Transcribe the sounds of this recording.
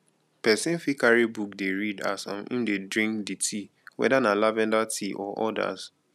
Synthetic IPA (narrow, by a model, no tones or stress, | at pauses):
pɛsĩnfikaɹibuk̚deɹida̰sã̰mḭ̃ndedɹĩŋkditʰi | wɛ̰danalavɛ̃ndatʰiʔɔʔɔda̰s